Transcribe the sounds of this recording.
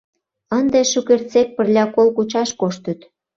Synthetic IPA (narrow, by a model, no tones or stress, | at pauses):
ənd̪eʃukert͡sek̚pə̆rlʲɑkolkut͡ɕɑʃkoʃt̪ət̪